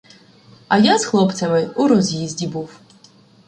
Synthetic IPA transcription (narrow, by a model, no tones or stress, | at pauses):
ɐjazxlˠɔpt͡s̪ʲɐmɪuɾɔzʲjizʲdʲibuw